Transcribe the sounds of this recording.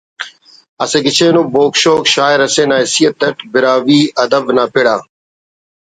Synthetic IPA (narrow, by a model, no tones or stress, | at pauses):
ɐseːɡɪt͡ʃʰeːnoːboːkʃoːkʃaːɪɾɐseːnaːɦɪsijət̪̚ːɐʈbɪɾaːʋiːɐd̪əʋnaːpʰɪɽaː